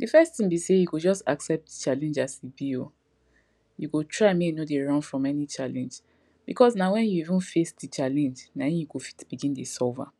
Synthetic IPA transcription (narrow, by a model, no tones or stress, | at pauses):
difɛstĩmbisejukud͡ʒɔstaksɛp̚tt͡ʃalɛ̃nd͡ʒasibio | jukutʰɹaɪmenodeɹɔ̃nfɹɔ̃mɛnit͡ʃalɛ̃nd͡ʒ | b̥ikʰɔsnawɛ̃njuivũnfesdit͡ʃalɛ̃nd͡ʒnãnjukufi̥tb̥iɡĩndisɔlva̰